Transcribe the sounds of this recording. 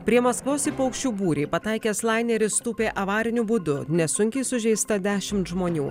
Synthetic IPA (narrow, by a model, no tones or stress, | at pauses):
pʲɾʲiɛmɐskʋoːsipɐʊkʃʲt͡ʃʲuːbuːɾʲeːpɐt̪ɐɪkʲeːslˠɑɪnʲɛɾʲɪst̪uːpʲeːʔɐʋɑːɾʲɪnʲʊbʊd̪ʊnʲɛsʊŋʲkʲɛɪsʊʒʲɛɪst̪ɐd̪ʲæːʃʲɪmt̪ʒmoːnʲuː